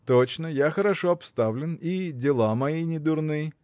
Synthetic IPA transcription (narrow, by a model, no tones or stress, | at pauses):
t̪ot͡ɕnəjaxəɾɐʂoɐpst̪avlʲɪnidʲɪlˠamɐjinʲɪd̪ʊrnɨj